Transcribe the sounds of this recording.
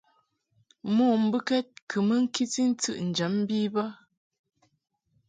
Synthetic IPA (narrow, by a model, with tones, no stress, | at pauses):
moː˦˨m̩˨˦bɨ˦kɛ˦t̚kʰə˨mə˦ŋ̩˦ki˦ti˦n̩˦t͡sɨ̰˦˨ʔn̩˨d͡ʒə˨˦m˦biː˦ba˦